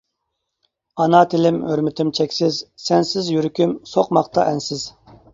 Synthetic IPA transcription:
ɑnɑt̪ʰɪlɪmøɾmɪt̪ʰɪmt͡ʃʰɛkʲsɪzsɛnsɪzjyɾykʲymsoqmɑqt̪ɑʔɛnsɪz̥

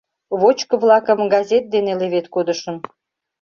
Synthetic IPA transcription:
βot͡ɕkə̆βlɑkəmɡɑzʲet̪̚d̪eneleβet̪kod̪ə̆ʃə̆n

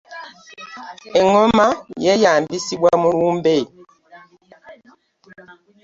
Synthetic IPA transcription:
ɛŋɔmajɛjambisiɓwamuwumbe

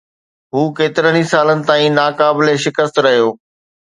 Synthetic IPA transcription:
ɦuːkeːt̪ɪɾəɽ̃ĩsaːlənɪ̆t̪aːĩnaːkaːbɪleʃɪkəst̪ɾɐɦijoː

